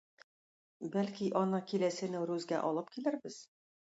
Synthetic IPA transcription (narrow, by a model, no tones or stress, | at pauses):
bælkiʔɒnɑkilæsɘnæwɾʉzɡæʔɒlˠɤp̚kilɘɾbɘz